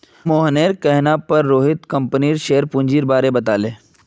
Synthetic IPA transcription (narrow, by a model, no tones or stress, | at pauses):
moːɦneːɾkɛɦnapɐɾːoːɦɪt̪kɐ̃mpniɾʃeːəɾpʊ̃ɲʲd͡ʒiːɾbaːɾebɐt̪aːleː